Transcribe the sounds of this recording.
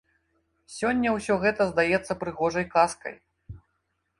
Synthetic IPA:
sʲɔnʲːɐwsʲɔɣɛt̪ɐzd̪ajɛt̪sːɐpɾɨɣɔʐɐjkaskɐ̰j

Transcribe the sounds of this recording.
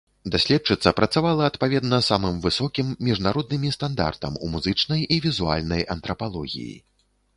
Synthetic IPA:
d̪asʲlʲɛt͡ʂɨt̪sːɐpɾɐt̪savalˠɐɐt̪pavʲɛd̪nɐsamɨmvɨsɔkʲimːʲiʐnaɾɔd̪nɨmʲist̪and̪a̰rt̪ɐ̰mṵmuzɨt͡ʂnɐjivʲizua̰lʲnɐjɐnt̪ɾɐpalˠɔɣʲḭjḭ

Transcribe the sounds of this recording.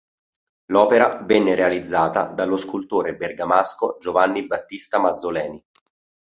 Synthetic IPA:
lɔːpeɾavɛnːeɾealid̪zːaːt̪a̰d̪alːoskult̪oːɾeberɡamaskod͡ʒovanːibat̪ːist̪amad̪zːolɛːni

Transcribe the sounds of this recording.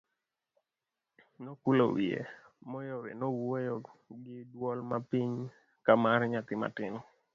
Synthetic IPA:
nokulo̰wiḛ | mɔjɔwḛnɔwojɔɡɪdwɔlmapiɲ | kamaɾɲat̪ɪma̰tɪnɔ

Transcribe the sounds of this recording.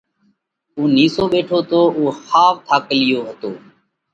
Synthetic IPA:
uːniːsoːɓeːʈʰoːt̪oːʔuːxaːʋt̪ʰaːkəlɪjoːɦət̪oː

